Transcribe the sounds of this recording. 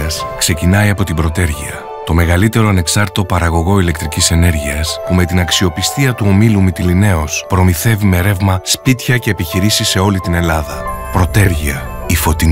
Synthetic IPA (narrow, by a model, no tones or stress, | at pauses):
ɐskse̞cinɐiɐpo̞t̪ibɾo̞t̪e̞ɾʝḭɐ̰ | t̪o̞me̞ɣɐlit̪e̞ɾo̞ɐne̞ksɐɾt̪it̪o̞pɐɾɐɣo̞ɣo̞ile̞k̚t̪ɾicise̞ne̞ɾʝiɐspume̞t̪inɐksio̞pist̪iɐt̪uo̞milumit̪iline̞o̞spɾo̞miθe̞vime̞ɾe̞vmɐspit̪çɐce̞ːpiçiɾisise̞o̞lit̪ine̞lɐðɐpɾo̞t̪e̞ɾʝiɐifo̞t̪i